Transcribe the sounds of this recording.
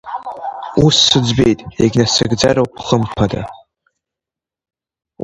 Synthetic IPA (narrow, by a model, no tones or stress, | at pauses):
usːɨd͡zbejtʼeɡʲnasaɡd͡zarowpʰχəmpʰada̰